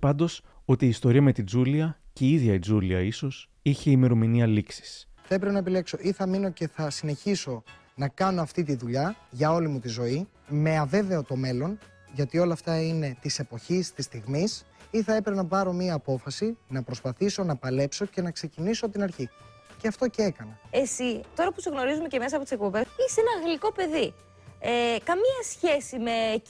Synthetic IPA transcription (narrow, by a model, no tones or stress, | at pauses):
pɐnd̪o̞so̞t̪iːst̪o̞ɾiɐme̞t̪id͡zuliɐceiðʝɐid͡zuliɐiso̞s | içe̞ime̞ɾo̞miniɐliksi̥sθɐe̞pɾpenɐepile̞kso̞ʔiθɐmino̞ce̞θɐsine̞çiso̞ | nɐkɐno̞ɐft̪it̪iðuʎɐʝɐo̞limut̪izo̞i | me̞ɐve̞ve̞ot̪o̞me̞lo̞n | ʝɐt̪io̞lɐːft̪ɐine̞t̪ise̞po̞çist̪ist̪iɣmisiθɐepɾepenɐpɐɾo̞miɐːpo̞fɐsinɐpɾo̞spɐθiso̞nɐpɐle̞pso̞ce̞nɐkse̞cinisoɐpot̪inɐɾçi | ce̞ɐft̪o̞ce̞e̞kɐnɐe̞sit̪o̞ɾɐpuseɣno̞ɾizume̞ceme̞sɐpot̪isk̚po̞be̞sisenɐɣliko̞pe̞ði | kɐmiɐsçe̞sime